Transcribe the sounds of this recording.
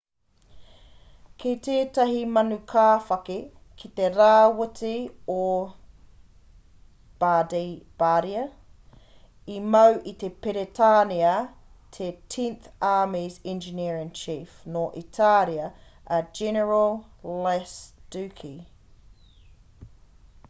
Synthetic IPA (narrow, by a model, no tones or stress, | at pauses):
kʰetʰeːtɐɦimɐnukʰaːfɐke | kʰit̪eɾaːwətio | b̥aːdejb̥aːɾiɐ | imɐwʔit̪epeɾetʰaːniɐ | tʰetʰĩnθaːmizɛ̃nd͡ʒiniɹɐŋt͡ʃʰiːfnoːʔitʰaɾiɐɐd͡ʒɛnəɹɐllɛsd̥ʉːkʰi